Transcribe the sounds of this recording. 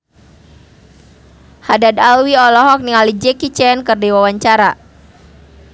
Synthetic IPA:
hadadalwiɔlɔɦɔk̚niŋalid͡ʒɛkit͡ʃɛnkərdiwawaɲt͡ʃaɾa

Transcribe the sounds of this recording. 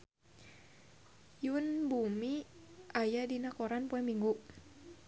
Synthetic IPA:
junbumiʔajadinakɔɾanpuɛŋmiŋɡu

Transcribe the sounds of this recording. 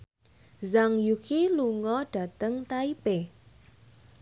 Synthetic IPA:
zaŋjukiluŋɔɖ̥ä̤t̪əŋt̪aipe

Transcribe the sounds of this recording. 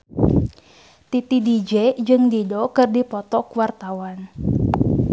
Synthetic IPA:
t̪it̪idid͡ʒɛd͡ʒɨŋdidɔkɨrdipɔt̪ɔkuwart̪awan

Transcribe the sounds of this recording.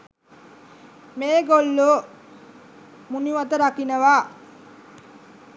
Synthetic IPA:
meːɡolːo | muniʋat̪əɾakinəʋaː

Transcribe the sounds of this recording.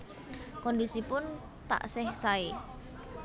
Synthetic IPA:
kɔndisipʊn | t̪a̰ʔsɛhsae

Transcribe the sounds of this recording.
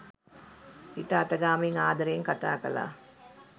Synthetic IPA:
hitəat̪ɐɡaːmiŋaːd̪ɐɾeːŋkat̪a̰ːkɐ̰la̰ː

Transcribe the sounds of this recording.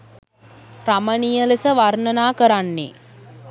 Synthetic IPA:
ramənijəlesəʋarnənaːkəɾanːḛ

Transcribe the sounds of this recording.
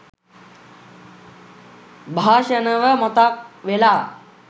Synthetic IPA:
bʱaːʃənəʋəmɔt̪ak̚ʋelaː

